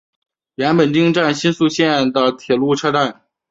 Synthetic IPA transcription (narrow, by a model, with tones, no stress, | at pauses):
ɥɛ˧˥npə˨˩nt͡ɕ̪i˥ŋʈ͡ʂa˥˩nɕi˥nsu˥˧ɕjɛ˥˩nd̪ə˩t̪ʰjɛ˨˩lu˥˧ʈ͡ʂʰa˥ʈ͡ʂa˥˩n